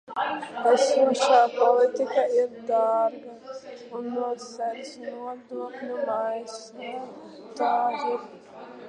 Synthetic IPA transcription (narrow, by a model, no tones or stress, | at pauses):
æsuɔʃaːpɔlˠit̪ikaiɾd̪aːɾɡaunːuɔsæɾsnuɔd̪uɔknumajs | a | t̪aːʒu